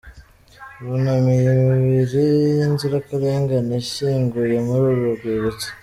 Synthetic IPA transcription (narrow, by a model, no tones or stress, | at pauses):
βunamijimiβiɾijinziɾakaɾeːŋɡaneʃiːŋɡujemuɾuɾuɡweβet͡se̥